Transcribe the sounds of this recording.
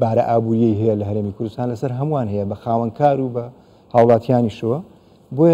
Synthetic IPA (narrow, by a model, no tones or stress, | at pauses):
baːɾɐ̰ʔaːbuːɾijɛjɦɛjɛlɐɦɐɾeːmikʰʊɾd̪ust̪aːnlɐsɐɾɦɐmuwaːnɦɐjɛbɐxaːwɐnkʰaːɾubɐ | haːwlˠɑːt̪ʰijaːniʃɐwɐ | boj